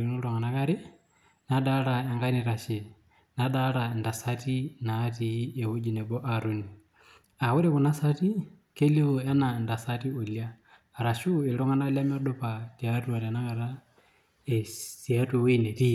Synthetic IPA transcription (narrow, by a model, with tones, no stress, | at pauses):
i˨nu˦lɔŋɡa˨na˦ka˦ɾi˦ | naɗaɾa˨jaŋɡa˦ni˨ɾa˨ʃɛ˨ | na˦ɗaɾa˨nda˨sati˦naː˦tiɛ˨hu˦d͡ʒi˨nɛ˨bɔ˦ʔa˨ɾo˦ni˨ | a˨wu˦ɾɛ˦ku˨na˦sa˦ti | ke˦li˦wɔ˨ja˦na˨nda˨sa˦ti˦o˨ljaː˦ | ɾa˨ʃu˦i˨lɔ˦ŋa˦na˦lja˦mi˦ɔ˦ɗɔpatiatu˦a˨ɾiana˦ka˨ɾa˦ | ɛsi˨a˦tuwi˦nɛ˨ti˦